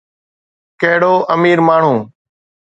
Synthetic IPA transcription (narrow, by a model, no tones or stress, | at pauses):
keɦɽoːʔəmiːɾmaːɳ̤ũː